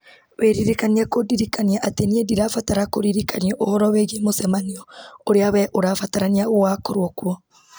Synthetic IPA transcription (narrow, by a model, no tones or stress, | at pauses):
weɾiɾikaniakodiɾikaniaʔateniediɾafataɾakoɾiɾikaniɔʔohɔɾɔweɣimosɛmaniɔoɾeawɛʔoɾafataɾaniaowakoɾwɔkwɔ